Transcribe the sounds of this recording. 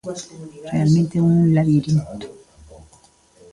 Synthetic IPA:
realmẽnt̪eulaβiɾint̪o̥

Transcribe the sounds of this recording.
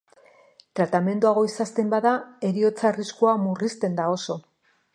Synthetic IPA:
t̪ɾat̪ame̞nd̪uaɣ̞o̞isast̪embaðae̞ɾio̞t͡sariskuamurist̪e̞nd̪ao̞so̞

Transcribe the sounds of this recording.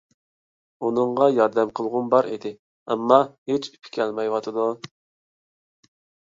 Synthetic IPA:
unɨŋʁɑjɑɾd̪ɛmqʰəlˠʁʊnbɑɾed̪ɪ | ɛ̰mːɑhet͡ʃy̥pʰɪ̥kʲʰɛlmɛjwɑt̪ʰɨd̪u

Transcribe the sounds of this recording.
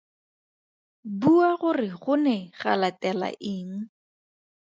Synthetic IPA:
buaɣʊrɪχʊnɛχa̰latʼɛla̰ʔɪːŋ̩

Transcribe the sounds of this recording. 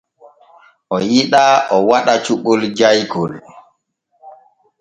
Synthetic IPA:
ʔɔjiɗaʔɔwaɗat͡ʃuɓɔld͡ʒajkɔl

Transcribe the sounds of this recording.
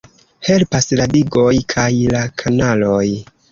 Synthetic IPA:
he̞lpasladiɡo̞jkʰajlakʰanalo̞j

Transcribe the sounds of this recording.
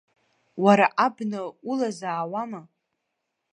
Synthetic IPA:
waɾaʔabnaulazaːwama

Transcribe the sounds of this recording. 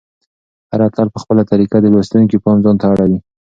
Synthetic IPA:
haɾat̪alpəxpəlat̪aɾikad̪əlwast̪unkipɑnzɑnt̪aaɽawi

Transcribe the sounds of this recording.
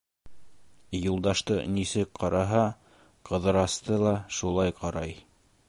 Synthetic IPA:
julˠd̪ɑʃt̪ɤ̰nisɘk̚qʰɑɾɑɦɑ | qɤ̆ðɤ̆ɾɑst̪ɤlˠɑʃulˠɑjqɑɾɑj

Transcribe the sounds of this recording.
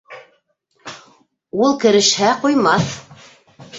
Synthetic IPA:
ulˠkɘ̆ɾɘ̆ʃhæqujmɑθ

